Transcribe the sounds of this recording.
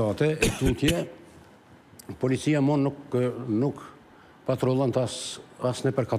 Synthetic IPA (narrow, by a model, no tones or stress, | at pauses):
at̪ɛɛk̪unt̪jɛ | pɔlit͡sijamɔnuknuk | pat̪ɾɔlˠant̪asnɛpɛɾkat̪